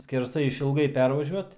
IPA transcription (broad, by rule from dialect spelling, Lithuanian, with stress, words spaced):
sʲkʲɛrˈsɐɪ ɪʃʲɪlˠˈɡɐɪ ˈpʲɛrʋɐʒʲuɔt